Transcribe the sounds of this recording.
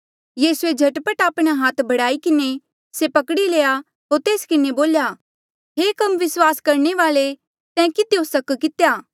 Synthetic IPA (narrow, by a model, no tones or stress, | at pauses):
jiːsued͡ʒʱɐʈpəʈaːpɽ̃aɦaːt̪ʰbʱɐɽaːikɪne | sepɐkɽileːja | ɦoːɾt̪eːskɪneboːljaː | ɦeːkɐmʋɪswaːskɐɾñeʋaːle | sɛ̃ːkɪd̪eosɐkkɪt̪ejaː